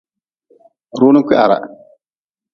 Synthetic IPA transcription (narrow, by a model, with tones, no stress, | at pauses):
ɾuː˦nu˦kʷi˦ʔa̰˨ɾa̰˨